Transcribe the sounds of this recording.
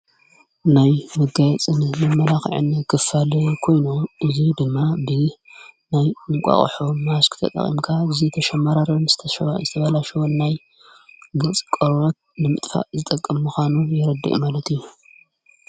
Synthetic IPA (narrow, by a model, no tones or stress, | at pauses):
najmɨɡajɛt͡sʼɨnmɨmɐlaxʕɨ̰nkʰɨfalɨkʰo̞jnoʔɨzid̪ɨmːabɨnajɨŋkʷʼa̰χʼħomaskʰɨ̥t̪ʰɐ̰t̪ʼɐ̰χʼḭmkʰaɨzit̪ʰɐʃɐmaɾaɾɐnz̥ɨt̪ʰɐʃzɨt̪ʰɐβɐlaʃwonaj | ɡɨt͡sʼkʼoɾɾot̪̚nɨmɨt̪ʼfa̰ʔzɨt̪ʼɐkʼːɐmmuxanujɪɾɐd̪ːḭʔmalɐt̪ʰiju